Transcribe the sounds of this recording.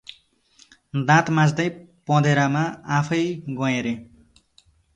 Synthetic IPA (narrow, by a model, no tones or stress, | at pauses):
d̪ãt̪mãd͡zd̪ʌjpʌ̃d̪ʱeɾamaapʰʌjɡʌ̃jeɾe